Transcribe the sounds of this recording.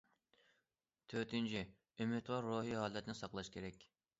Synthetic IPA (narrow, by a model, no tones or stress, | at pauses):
t̪ʰøɾt̪ɪnt͡ʃʰi | ømɪt̪wɑɾːoːɦiɦɑːlˠɛt̪ʰnɪsɑqlˠɑʃkʲʰeɾɛkʲ